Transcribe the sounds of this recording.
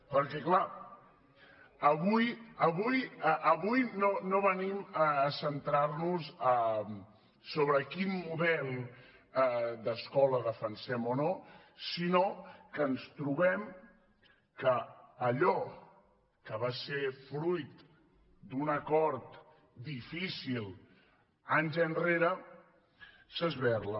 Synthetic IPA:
pəɾkɛkla | əβujəβujəʔəβujnonoβəniməːsənt̪ɾarnuzəm | soβ̞ɾəkinːuðɛlˠ | d̪əskɔləðəfənsɛmono | sinokənst̪ɾuβɛm | kəːʎɔ | kəβasefɾujt̪ | d̪unəkɔɾt̪ | d̪ifisilˠ | anʲʒənreɾə | səzβɛɾlə

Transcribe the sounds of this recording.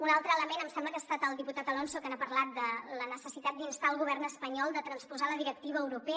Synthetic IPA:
unalˠt̪ɾəːləmenəmsɛmbləkast̪at̪əlˠd̪iput̪at̪əlɔnsokənapəɾlat̪̚d̪ələnəsəsit̪at̪̚d̪inst̪aːlˠɣuβɛrnəspəɲɔlˠd̪ət̪ɾənspuzaləðiɾək̚t̪iβəːwɾupɛ

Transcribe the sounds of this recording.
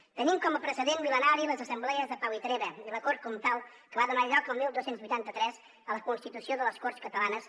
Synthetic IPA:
t̪ənimkɔməpɾəsəðenmilənaɾiləzəsəmblɛəzðəpawit̪ɾeβəiləkoɾt̪̚kunt̪aw | kəβaðunaʒɔkəlˠmilˠd̪osenzβujt̪ant̪ət̪ɾɛz | ələkunst̪it̪usioðələskoɾt̪skət̪əlanəs

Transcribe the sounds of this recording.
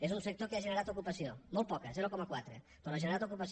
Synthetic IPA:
ezunsek̚t̪okeaʒeneɾat̪okupasiomolˠt̪̚pɔkazɛɾokɔmakwat̪ɾe | peɾɔaʒeneɾat̪okupas

